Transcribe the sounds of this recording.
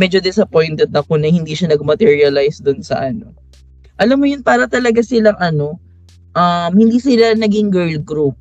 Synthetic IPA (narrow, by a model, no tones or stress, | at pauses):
mɛːd͡ʒod̪ɪsɐpojnt̪ɛd̪̚ɐko̞nɐhɪnd̪iːʃanɐɡ̚mɐt̪ɛɹiɐlajsd̪ʊnsɐ̰ʔɐno̞̰ | ʔɐlamːojʊnpaːɾɐt̪ɐlɐɡasɪlaŋʔɐno̞ | ʔɐmhɪnd̪iːsɪlanɐɡɪŋɡɛɹlɡɾup̚